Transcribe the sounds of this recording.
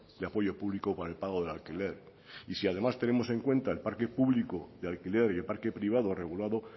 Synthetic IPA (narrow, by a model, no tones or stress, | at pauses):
d̪eapo̞ʝo̞puβlikopaɾae̞lpaɣ̞o̞ð̞e̞lalkileɾ | isiað̞e̞mast̪e̞ne̞mo̞se̞ŋkwẽ̞nt̪ae̞lpaɾke̞puβlikoðealkile̞ɾjelpaɾke̞pɾiβ̞að̞o̞re̞ɣ̞ulaðo